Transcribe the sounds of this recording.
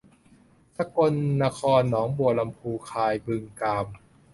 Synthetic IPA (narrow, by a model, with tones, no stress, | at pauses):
sa˧˥ko˧nːa˧kʰɔː˧nːɔː˩˦ŋbu˨˩əla˧mpʰuː˧kʰaː˧jbɯ˧ŋkaː˧m